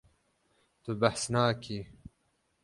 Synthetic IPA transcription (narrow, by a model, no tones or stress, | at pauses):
t̪ubahsnaːkʰi